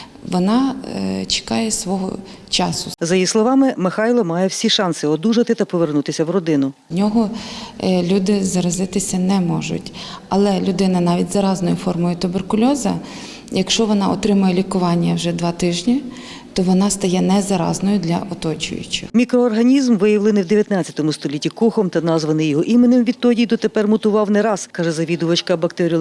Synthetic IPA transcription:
ʋɔnɑt͡ʃɪ̥kɑjɛsʋɔɦɔ̰t͡ʃɑsʊzɐjislˠɔʋɑmɪmɪxɑjlˠɔmɑjɛwsʲiʃɑnsɪɔd̪uʒɐt̪ɪt̪ɐpɔʋernut̪ɪsʲɐwrɔd̪ɪnʊ | nʲɔɦɔ | lʲud̪ɪzɐɾɐzɪt̪ɪsʲɐnɛmɔʒʊ̰tʲɐlˠɛlʲʊd̪ɪnɐnɑʋʲitʲzɐɾɑznɔjʊfɔrmɔjʊt̪ʊberkʊlʲɔzɐ̰ | jɐkʃt͡ʃɔʋɔnɑɔt̪ɾɪmʊjɛlʲikʊʋɑnʲːɐwʒɛd̪ʋɑt̪ɪʒnʲi | t̪ɔʋɔnɑst̪ɐjɛnɛzɐɾɑ̰znɔjʊd̪lʲɐ̰ʔɔt̪ɔt͡ʃʊ̰jʊ̰t͡ʃɪ̰xmʲikɾɔːrɦɐnʲizmʋɪjɐʋlˠɪnɪwd̪eʋjɐt̪nɑt͡sʲːɐt̪ɔmʊst̪ɔlʲitʲikuxɔmt̪ɐnɑzʋɐnɪjɔɦɔʔimenɪmʋʲid̪̚t̪ɔdʲijd̪ɔt̪epɛrmʊt̪ʊʋɑwnɛɾɑskɑʒɛzɐʋʲid̪ʊʋɐt͡ʃkɐbɐkt̪ɛɾʲi

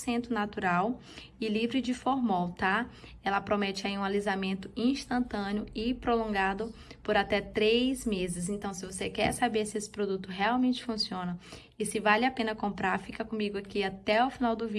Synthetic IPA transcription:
sẽnt̪ɾʊnat̪uɾaw | ɪlivɾɪd͡ʒɪfoɾmɔwt̪a | ɛlɐpɾomɛt͡ʃɪaiũalizamẽnt̪ʊĩʃt̪ɐ̃nt̪ɐ̃nɪʊɪpɾolõŋɡad̪ʊpoɾat̪ɛt̪ɾejzmezɪz̬ẽnt̪ɐ̃w̃sɪvosekɛ̰ɾsabeɾsɪesɪ̥pɾod̪ut̪ʊɦeawmẽnt͡ʃɪ̥fũsiõnɐ | ɪsɪvalɪapẽnɐkõmpɾaɾfikɐkõmiɡʊakiat̪ɛawfinawd̪ʊvi

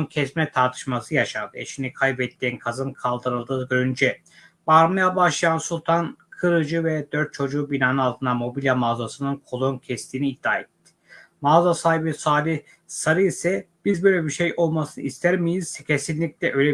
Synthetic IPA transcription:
ncʰɛsmnɛt̪ʰaɾt̪ʰɯ̥ʃmasɯjaʃavḛʃinikʰajbɛt̪ʰːiːnkʰazɯnkʰalˠd̪ɯɾɯlˠd̪ɯːɡøɾynd͡ʒɛ | vaɾmajabaʃlˠajansulˠt̪ʰankʰɯɾɯd͡ʒɯvɛd̪ø̞ɾt̪̚t͡ʃʰo̞d͡ʒuːbinaːnɯalˠt̪ʰɯnd̪amo̞bilʲjamazasɯnɯnkʰo̞lˠoncʰɛst̪ʰiːniːd̪̥ːaːet̪ːɪ̥ | mazasaːhibisaːlʲi | saɾɯisɛb̥izbøjlʲɛbiɾʃejo̞lˠmasɯnɯ̰ist̪ʰæɾmijiz̥ːɛcʰesinlʲic̚lʲɛʔøjlʲɛ

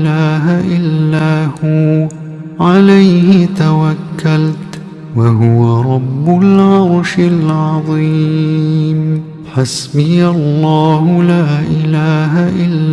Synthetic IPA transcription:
laːɦaʔɪlːaːhʊ | ʕalajhɪt̪awakːalt̪ | waɦʊwaɾˤɑbːʊlʕɑɾˤʃɪlʕɑðˤiː | m | ħasbɪjalːɑːhʊlaːʔɪlaːɦaʔɪlː

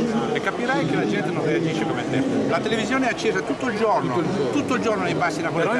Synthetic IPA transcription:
ekːapiɾajk̟elad͡ʒɛnt̪enõnread͡ʒiʃːekomeɛt̪ːɛlat̪elevizjoːneɛat͡ʃːeːzat̪ut̪ːoild͡ʒornot̪ːut̪ːoild͡ʒornonejpasːinakol

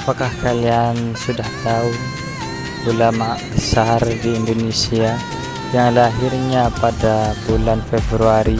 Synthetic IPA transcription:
apakahkaliansudaht̪aʊn | ulamabəsardiːndonesia | jaŋlaɦirɲapadabulanfɛbɾuaɾi

